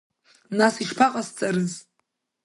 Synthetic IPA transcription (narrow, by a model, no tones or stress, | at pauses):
nasiʂpʰaqʼast͡sʼaɾɨz